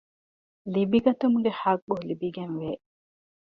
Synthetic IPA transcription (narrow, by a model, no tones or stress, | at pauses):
libiɡɐt̪umuɡehak̚ɓuɦulibiɡenʋe